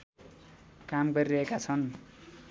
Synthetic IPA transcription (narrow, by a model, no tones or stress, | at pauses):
kamɡʌɾiɾʌɦekat͡sʰʌn